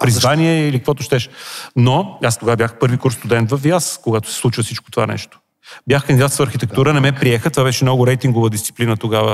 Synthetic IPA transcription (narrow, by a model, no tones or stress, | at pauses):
pɾizvaniɛilikəkvɔt̪ʊʃt̪ɛʃnoast̪oɡavəbjaxpɤɾvikɔɾst̪ʊd̪ɛnt̪vɐfjaskoɡat̪ʊ̥sɛ̥slˠut͡ʃvəsit͡ʃko̥t̪ova̰nɛ̰ʃt̪o̥ | bʲjaxkəɐnd̪id̪at̪svəːɾxit̪ɛk̚t̪uɾənɛmɛpɾiɛxət̪ovaβɛʃɛmnɔɡʊɾɛjt̪iŋɡovəd̪ist̪si̥plinət̪oɡavə